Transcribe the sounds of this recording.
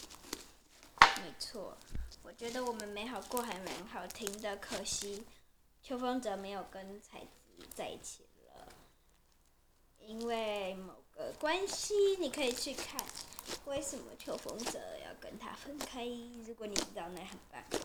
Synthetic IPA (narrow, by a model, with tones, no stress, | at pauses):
me˧˥ɪt͡sʰwɔ̰˥˩wɔ˨˩t͡ɕɥɛ˧˥d̪ə˧wɔ˨˩mə˦nme˧˥ɪxɑ˨˩ʊkwɔ˥˩xa˧˥nɥə̰˧˥nxɑ˨˩ʊt̪ʰi˧˥ŋd̪ə˨kʰɤ˨˩ɕi˥ | t͡ɕʰjo˧˥ʊfɑ˥ŋt͡sɤ˧˥me˧˥ɪjo˨˩ʊkə˥nt͡sʰa˧˥ɪt͡s̩˧˩t͡sa˥˧ɪi˩t͡ɕʰi˨˩lə̰˦ | i˥nwe˥˩ɪmo˨˩ʊɡ̥ə˦kwa˥nɕi˦ni˨˩kʰɤ˧˥i˨˩t͡ɕʰy˥˧kʰa˥˩nwe˥˩ɪʂə˨˩nmə̰˨˦t͡ɕʰjo˧˥ʊfɤ̰˥ŋt͡sɤ̰˧˥jɑ̰˥˩ʊkə̰˥nt̪ʰa̰˥fə˥nkʰa˥ɪɻu˧˥kwɔ˧˦ni˨˩ʈ͡ʂɻ̩˧˥t̪ɑ˥˧ʊna˥˩xə˨˩npa̰˥˩n